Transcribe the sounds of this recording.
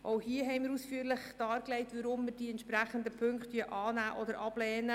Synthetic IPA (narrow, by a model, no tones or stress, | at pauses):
ʔowhiəɦɛɪmɪɾusfyəɾlɪχd̥ɑːɾklɛɪtʋəɾʊmːɪɾd̥iːɛntʃpɾæχənd̪əpʰɵŋkt̪iəʔɑːnæːʔɔd̪əɾʔɑb̥lɛːnə